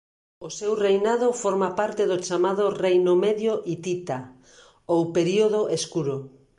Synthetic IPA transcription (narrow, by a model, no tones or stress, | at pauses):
osewrejnað̞ofoɾmapaɾt̪eðot͡ʃamaðorejnomeðjoʔit̪it̪a | owpeɾioð̞oʔeskuɾo